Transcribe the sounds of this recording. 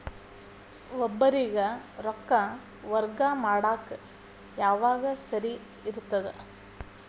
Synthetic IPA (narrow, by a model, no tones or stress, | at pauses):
ʋɔbːɐɾiɡɐɾɔkːɐ | ʋɐɾɡɐmaːɽaːkɐ | jaːʋaːɡɐsɐɾi | iɾut̪ːɐd̪e